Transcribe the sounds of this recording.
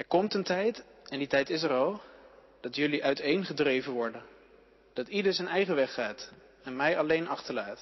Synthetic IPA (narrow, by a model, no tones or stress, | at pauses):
ɛɹkɔmtəntɛjtɛnditɛjtɪs̬ɛɾɑlˠ | d̥ɑtjɵliʔœɥtejnχədrejvənʋɔɹdən | d̥ɑtidəɹzɛjnɛjχəʋɛχːaːt | ɛnmɛjɑlejnɑχtəɹlaːt